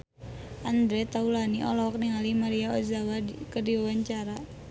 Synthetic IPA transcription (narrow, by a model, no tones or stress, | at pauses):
ʔand̪ɾɛt̪aulaniʔɔlɔk̚niŋalimaɾiaɔzawakərdiwawaɲt͡ʃaɾa